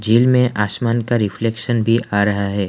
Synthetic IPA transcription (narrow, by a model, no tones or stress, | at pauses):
d͡ʒiːlmẽʔʔaːsmaːnkaɾɪfleːkʃənbʱiʔaːɾɐɦaɦɛː